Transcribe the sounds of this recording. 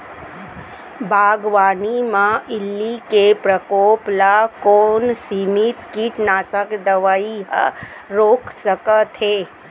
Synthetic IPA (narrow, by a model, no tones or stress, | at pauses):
bʱaːɡʋaːnimãʔɪlːikepɾəkoːplakoːnsimit̪kiʈnaːsəkd̪əʋaːiɦə̰ | ɾoːkʰsəkət̪ʰeː